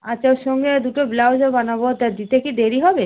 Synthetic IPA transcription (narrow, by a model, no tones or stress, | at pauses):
at͡ɕt͡ʃʰaoʃɔŋɡed̪uʈoblaod͡ʑobanabot̪ad̪it̪ekid̪eɾiɦɔbe